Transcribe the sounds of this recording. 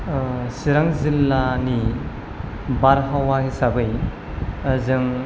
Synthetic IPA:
siɾaŋzilːani | baɾɦawaɦisabɯj | əzɯŋ

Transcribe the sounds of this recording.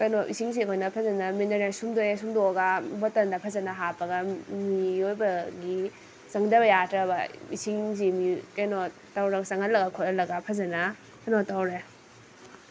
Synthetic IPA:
kɐjnoʔisiŋsikʰojnɐpʰɐzɐnɐminɐɾesumdoes̬umdoɡɐmɐtɐndɐpʰɐzɐnɐɦapɐɡɐmiojbɐɡi | sɐŋdɐbɐjatɾɐbɐḭsiŋz̬imikɐno | tawɾɐɡɐsaŋɐn̚lɐɡɐkʰotɐtlɐɡɐpʰɐzɐnɐ | kenotawɾe

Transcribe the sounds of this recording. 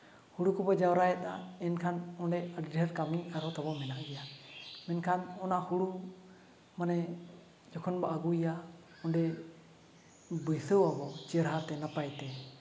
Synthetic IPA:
huɽukɔbəd͡ʒawɾajɛt̪aɛnkʰanɔɳɖɛəɖɖəɾkamiaɾɔt̪abɔmɛnaʔijamɛnkʰanɔnahuɽu | manɛ | d͡ʒɔkʰɔnbaʔaɡuja | ɔɳɖɛ | bəjsəwabɔt͡ʃiɾɦat̪ɛnapajt̪ɛ

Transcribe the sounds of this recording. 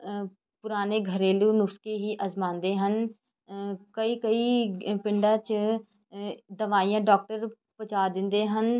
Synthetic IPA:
pʊɾaːneːɡʱəɾeːluːnʊskeːɦiːʔəzmãːnd̪eːɦən | kəiːkəiːpɪɳɖãːt͡ʃ | d̪əʋaːiːjãːɖɔːk̚ʈəɾ | pət͡ʃaːd̪ɪ̃nd̪eːɦən

